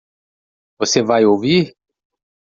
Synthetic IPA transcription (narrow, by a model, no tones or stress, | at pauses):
vosevajoviʁ